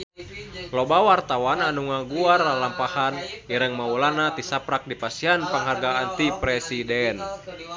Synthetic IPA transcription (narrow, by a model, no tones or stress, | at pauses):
lɔbawart̪awananuŋaɡuarlalampahaniɾəŋmaulanat̪isapɾak̚dipasianpəŋɦarɡaːnt̪ipɾɛsidɛn